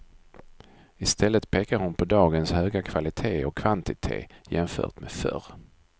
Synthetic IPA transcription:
ɪst̪ʰɛlːət̪pʰeːkaɾhʊnpʰɔd̪ɑːɡənshøːɡakʰvalɪt̪ʰeːɔkʰːvant̪ɪt̪ʰḛːjɛmfœ̰ːʈ̪mefœ̰ɾ

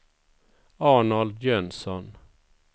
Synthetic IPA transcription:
ɑːɳald̪jœnsɔn

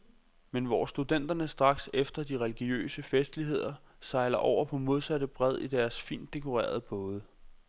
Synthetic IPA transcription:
menʋɒːsd̥ud̥en̰d̥ɐnəsd̥ʁɑ̈ɡ̥sefd̥ɐd̥iʁɛliɡ̥iø̰ːsəfesd̥liɦe̝ð̞̰ˠɐ | sɑ̈ɪlɐʔɒ̰ʊ̰ɐpʰɒ̽mo̝ð̞ˠsæɾəb̥ʁɛð̞ˠid̥æɐsfḭːnd̥e̝kʰo̝ʁɛ̰ːɐð̞ˠəb̥ɔ̽ːð̞ˠə

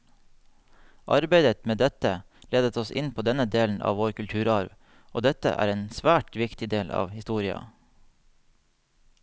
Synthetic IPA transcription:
ʔɑ̰ɾbeɪd̪ət̪meːd̪ɛt̪ə | leːd̪ət̪ʰɔsʔɪ̰npʰoːd̪ɛnəd̪eːln̩ʔɑ̰ːʋoːɾkʉlt̪ʰʉːɾɑɾʋ | ʔoːd̪ɛt̪ə̰ʔæ̰ːɾeːnsʋæːʈʋɪkt̪ɪd̪eːlʔɑ̰ːʋhɪst̪uːɾɪɑ̰

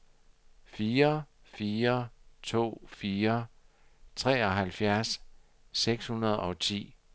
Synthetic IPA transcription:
fiːɐ | fiːɐt͡sʰo̝̰ːfiːɐ | t͡sʰʁɛ̰ːɒ̽ɦælfjæɐsː | eɡ̥shunɐð̞ˠɒ̽t͡sʰḭː

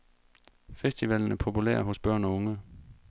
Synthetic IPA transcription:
fesd̥iʋɛln̩æɐpʰo̝pʰulḛɐ̰ɦo̽sb̥ɶɐ̰nɒ̽ɔŋə

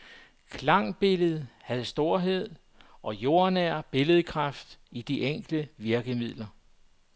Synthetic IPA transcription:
kʰlɑ̈ŋ̰b̥e̝ləð̞̩ˠhæð̞̩ˠsd̥o̝ɐ̰ɦe̝ð̞̰ˠ | ʔɒ̽jo̝ːɐnæɐ̰b̥e̝ləðˠkʰʁɑfd̥id̥iʔeŋ̰ɡ̥ləʋiɐɡ̥əmið̰ˠlɐ

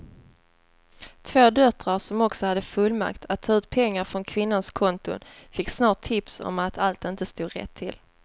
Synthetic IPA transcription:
t̪ʰvoːd̪œt̪ɾaɾʂɔmɔksɔhad̪ːəfɵlma̰kt̪ʰat̪ʰːɑːʉ̟ːt̪̚pʰɛŋːaɾfɾɔnkʰvɪnːanskʰɔnt̪ʊ̰fɪkːsnɑːʈʰːɪpsɔ̰mat̪ʰalt̪ɪnt̪əst̪uːɾɛ̰t̪ʰːɪ̰l

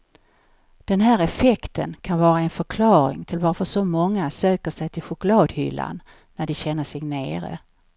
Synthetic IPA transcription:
d̪̥ɛnɦæːɾɛfɛkt̪ʰə̰nkʰanvɑːɾaɛnfœɾkʰlɑːɾɪ̰ŋt̪ʰɪlvaɾfœʂɔmɔŋːasøːkəʂɛjt̪ʰɪlɧʊklɑːd̪hʏ̰lːa̰nː | æɖɪɕɛnːəʂɛɡneːɾə̰

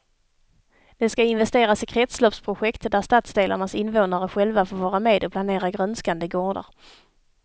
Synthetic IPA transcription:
d̪̥ɛskaɪnvɛst̪eːɾasɪkʰɾɛt̪slɔpspʰɾʊɧɛkt̪d̪æɾst̪at̪sd̪eːlʔa̰ɳasɪnvoːnaɾəɧɛlvafoːɾvɑːɾameːd̪ɔpʰlaneːɾaɡɾœnskand̪əɡoːɖə̰ɾ

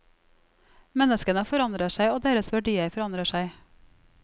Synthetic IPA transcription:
mɛnəskənəfɔɾɑnd̪ɾəʃæɪoːd̪eːɾəsʋæɖiːəɾfɔɾɑnd̪ɾəʃæɪ

